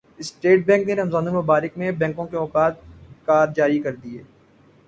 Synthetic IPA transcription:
ɪsʈeːʈ̚bɛ̃ːŋkneɾɐmzaːnolmʊbaːɾɪkmẽbɛ̃ːŋkõkeɔːkaːt̪̚kaːɾd͡ʒaːɾikɐɾd̪ieː

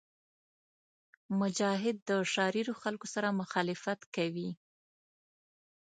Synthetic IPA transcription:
mʊd͡ʒɑɦɪd̪ːəʃɑɾiɾoxalkosaɾamʊxɑlɪfat̪kawi

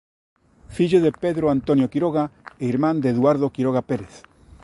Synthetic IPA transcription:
fiʎoðepeðɾoant̪onjokiɾoɣaeiɾmãnd̪eðwaɾð̞okiɾoɣ̞apeɾeθ

